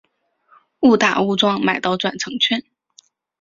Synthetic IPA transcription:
u˥˩t̪a̰˨˩u˥˧ʈ͡ʂwɑ˥˧ŋma˨˩ɪt̪ɑ˥˩ʊʈ͡ʂwa˨˩nʈ͡ʂʰɤ˧˥ŋt͡ɕʰɥɛ˥n

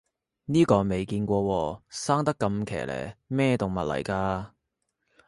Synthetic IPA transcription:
niː˥kɔː˧me˨jkiː˧nkʷɔː˧wɔː˧saː˥ŋt̪ɐ˥kːɐ˧mkʰɛ̰ː˨˩lʔɛ̰ː˨˩mɛː˥˩t̪ʊ˨˩ŋmɐ˨t̚lɐ̰˨˩jkaː˧

